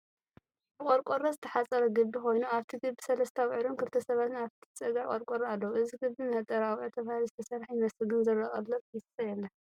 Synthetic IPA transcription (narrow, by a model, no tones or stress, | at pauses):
bɨkʼoɾkʼoɾozɨt̪ʰɐħasʼɐɾɐɡɨbːixo̞jnuaβt̪ʰiɡɨbːisɐlɐst̪ʰawʕɨɾonkɨlt̪ʰɐsɐβat̪naβt̪ʰi̥t͡sʼɐɡakʼoɾkʼoɾaalːɐwuʔɨziɡɨbːinɐt̪ʼɐɾawʕut̪ʰɐβahɨlizɨt̪ʰɐsɐɾħinɐsɨɡɨnzɨɾɐχʼɐlːɐβjɪst͡sʼɐjɛlːɐ